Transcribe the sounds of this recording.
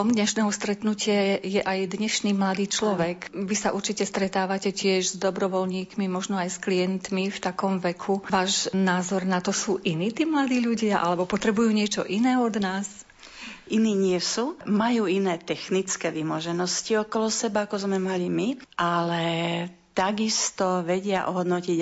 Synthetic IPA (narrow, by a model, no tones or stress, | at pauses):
ɔmd̪ɲɛʃnɛːɦɔst̪ɾɛt̪nucɪajɛʔajd̪ɲɛʃniːmlad̪iːt͡ʃlɔʋɛkʋisaʔuɾt͡ʃicɛst̪ɾɛt̪aːʋacɛcɪɛʒzd̪ɔbɾɔʋɔlɲiːkmimɔʒnɔajskliɛnt̪mift̪akɔmʋɛkʰuʋaːʒnaːzɔɾnat̪ɔsuːʔiniːt̪iːmlad̪iːʎuɟɪaʔa̰lɛbɔpɔt̪ɾɛbujuːɲɪɛt͡ʃɔ̰ʔinɛːɔd̪naːs | ʔiniːɲɪɛsuːmajuːinɛːt̪ɛxnit͡skɛːʋimɔʒɛnɔsciɔkɔlɔsɛbaakɔzmɛmalimiʔalɛ | t̪aɡist̪ɔʋɛɟɪaʔɔɦɔd̪nɔciɟ